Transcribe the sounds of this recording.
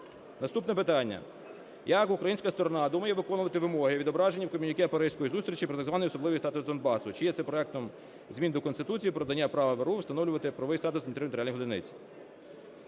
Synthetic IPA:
nɐst̪upnɛp̬ɪt̪ɑnʲːɐ̰ | jɐkʊkɾɐjinʲsʲkɐst̪ɔɾɔnɑd̪umɐjɛʋɪkɔnʊʋɐt̪ɪʋɪmɔɦɪʋʲid̪ɔbɾɑʒenʲːiwkɔmʲinʲikɪɐpɐɾɪsʲkɔjizust̪ɾʲit͡ʃipɾɔt̪ɐɡzʋɑnɔjɔsɔblˠɪʋijst̪ɑt̪ʊsd̪ɔnbɑsʊt͡ʃɪjɛt̪sɛpɾɔɛk̚t̪ɔm | zʲmʲind̪ɔkɔnst̪ɪt̪ut͡sʲijipɾɔd̪ɐnʲːapɾɑʋɐʋeɾuwst̪ɐnɔwlʲʊʋɐt̪ɪpɾɐʋɪjst̪ɑt̪ʊsnʲt̪eɾnt̪ɾalʲiɦɔd̪ɪnɪ̰t͡sʲi̥

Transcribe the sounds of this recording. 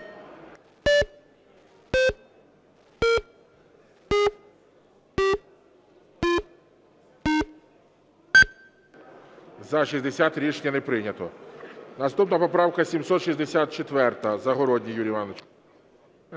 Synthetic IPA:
zɐʃisʲd̪esʲat̪ɾʲit͡ʃnʲɐnepɾɪnʲɐt̪ɔnɐst̪upnɐpɔpɾɑwkɐsʲimsɔt̪ʃizʲd̪esʲat̪̚t͡ʃet̪ʋɛrt̪ɐzɐɦɔɾɔdʲnʲijuɾʲijʋɑnɔt͡ʃ

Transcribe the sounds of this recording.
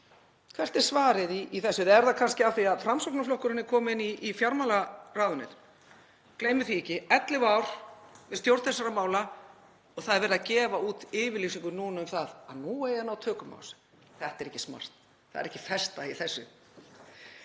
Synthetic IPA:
kʰv̥ɛr̥t̪ɛɾ̥svaːɾɪðiːθɛsːʏðɛɛɾðakʰanscɪaθiaðfɾamsɔknaflɔhkʏɾɪnːɪkʰɔːmʏɪnːiʔːfjaɾmalaraːðʏnːɪ̰t̪ | kleːjmʏθiɛcɪɛt̪lɪvaːwɾ̥vɪst̪jowɾt̪θɛsːaɾamaːwla | ɔɣθaðɛɾvɛːɾðacɛːvauːt̪ɪːvɪɾlisiŋkʏnuːnaʏmθaðaðnuːɛjanawt̪ʰœːkʏma̰wlsɪ̥ | θɛht̪ɛɾɛhcːɪsma̰r̥t̪ | θaðɛɾɛhcːɪfɛst̪aiθɛsːʏ̰

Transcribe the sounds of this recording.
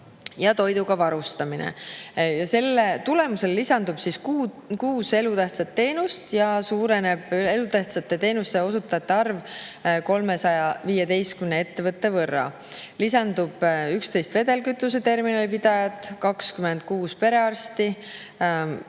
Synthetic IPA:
jɑt̪o̞jd̪uɡɑvɑɾust̪ɑminḛjɑse̞lːet̪ulemuse̞lːisɑnd̪ub̥siskːkuːse̞lut̪æht̪sɑt̪ːe̞ːnust̪jɑsuːɾe̞ne̞b̥ye̞lut̪æht̪sɑt̪ːˑe̞t̪e̞ːnust̪e̞o̞sut̪ːˑɑt̪ːeɑrvko̞lme̞sɑjɑviːjed̪e̞jskymnee̞t̪ːe̞vɤt̪ːe̞vɤrːɑ̰ | lisɑnd̪ub̥ykst̪e̞jst̪ve̞d̪e̞lkyt̪ːˑuse̞t̪e̞rminɑlipid̪̥ɑjɑt̪ːˑkɑkskyme̞nd̪̥̚kuːspe̞ɾe̞ɑrst̪i

